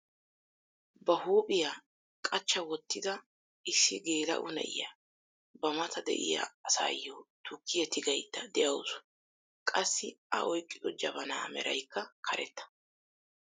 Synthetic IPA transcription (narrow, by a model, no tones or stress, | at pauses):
bɐhuːpʼɪjaː | kʼɐt͡ʃːɐwɔt̪ːɪd̪ɐ | ɪsːɪɡe̞ːlɐ̰ʔʊ̰nɛ̰ʔɪ̰jɐ | bɐmɐt̪ʰɐd̪ɛ̰ʔɪ̰jɐ̰ɐsa̰ːjːoːt̪ʊkːɪjɛt̪ɪɡɐjt̪ːɐd̪ɛʔɐwsʊ̥ | kʼɐsːɪɐ̰ʔɔjkʼːɪd̪ɔd͡ʒɐbɐna̰ːmɛ̰ɾɐ̰jkːɐkʰɐɾʔɛ̰t̪ːɐ̥